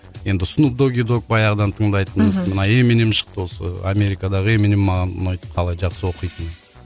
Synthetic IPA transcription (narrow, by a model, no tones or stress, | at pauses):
je̞nd̪ɪʊsʊnəp̚d̪o̞ɡʲid̪o̞k̚bɑjɑʁəd̪ɑnt̪ʰəɴd̪ɑjt̪ənəzmənɑe̞menemʃə̥q̚t̪əwo̞sə̰a̰me̞ɾijkɑd̪ɑʁəemenemːɑʁɑn̰nɑjt̪ə̥p̚qʰɑlˠɑjʒɑqsəwo̞qijt̪ən